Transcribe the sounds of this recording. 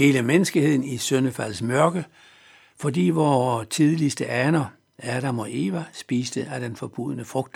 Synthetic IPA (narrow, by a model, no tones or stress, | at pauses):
he̝ːləmenəsɡ̥ie̝ð̰ˠn̩isønəfæl̰smɶɐɡ̥ə | fɒ̽dḭːʋɒːt͡sʰiðˠlisd̥əʔænɐ | æɾ̥æmɒ̽ʔe̝ːʋæsb̥iːsd̥əæd̥enfɒb̥uð̞̰ənəfʁɔ̽ɡ̥̚d̥